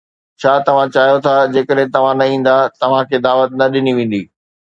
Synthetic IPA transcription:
t͡ɕʰaːt̪ɐʋ̤ãt͡ɕaːɦjot̪ʰad͡ʑeːkəɗɦẽt̪ɐʋ̤ãnɐĩːn̆d̪at̪ɐʋ̤ãkʰeːd̪aːʋət̪̚nɐɗɪniʋẽːn̆d̪iː

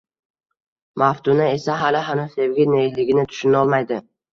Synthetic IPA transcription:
maft̪ʰʊnae̞saɦalɪɦanʊzse̞vɡʲɪnelɪɡʲɪnɪt̪ʰʊ̥ʃʊnɒlˠmajd̪ɪ

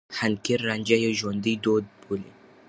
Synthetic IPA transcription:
hankiɾːand͡ʒajɔʒɔnd̪id̪od̪̚buli

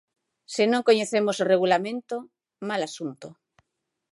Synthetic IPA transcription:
senõŋkoɲeθemosoreɣulamẽnt̪o | malasunt̪o

